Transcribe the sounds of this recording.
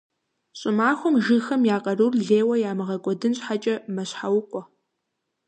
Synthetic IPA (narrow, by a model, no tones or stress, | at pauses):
ɕʼɪmaːxʷɔmʒɨxɐmjaːqʼɐrurɮeːwɐjaːmɨʁɐkʷʼɔdɨnɕħat͡ʃʼɐmɐɕħawʊqʷʼɔ